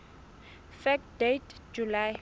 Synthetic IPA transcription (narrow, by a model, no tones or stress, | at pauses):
fɛkdetd͡ʒulaj